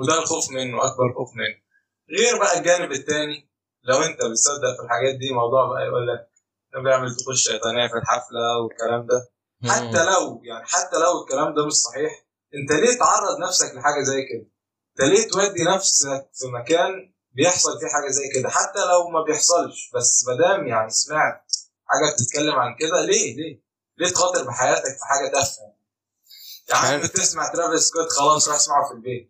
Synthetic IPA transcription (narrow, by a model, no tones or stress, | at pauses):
wed̪ælxoːfmenːoʔæk̚bɑɾˤxoːfmenːo | ɣeːɾbæʔælɡæːnebet̪ːæːni | læwʔent̪æbet̪sæd̪ːæʔfilħaɡæːt̪̚d̪iːmɑwd̪ˤuːʕbæʔæ̰jeʔulːæk̚ | næbejeʕmelt̪exolʃæjt̪ˤænæːfilħaflæwekːælæːmd̪æ | ħat̪ːælæwjaʕniħat̪ːælæwekːælæːmd̪æmeʃsˤɑħiːħ | ʔent̪æleːt̪ʕɑrˤːɑd̪ˤnæfsækleħaːɡæzæjːked̪æ | et̪æleːt̪wæd̪ːinæfsæk̚fimækæːn | bejeħsˤɑlfiħaːɡæzæjːked̪æħat̪ːælæwmæbejeħsˤɑlʃbæsːmæd̪æːmjaʕnismaʕ | ħa̰ːɡæb̚t̪et̪̚kælːemʕalked̪æleːleː | leːt̪xɑːt̪ˤeɾbeħajæːt̪ækfiħaːɡæt̪ʔæfhæn | jaʔ̪et̪esmaʕt̪ɾævesket̪xɑlɑːsˤɾɑħsmaʕofilbeːt̪̚